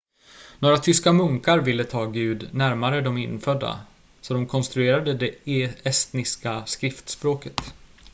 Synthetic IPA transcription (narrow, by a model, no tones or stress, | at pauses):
noːɾat̪ʰʏskamɵŋkaɾvɪlːət̪ʰɑːɡʉ̟ːd̪næɾmaɾəd̪ɔmɪnːfœd̪ːa̰ | sɔd̪ɔmkʰɔnst̪ɾɵeːɾad̪əd̪ɛɛst̪nɪskaskɾɪft̪spɾoːkət̪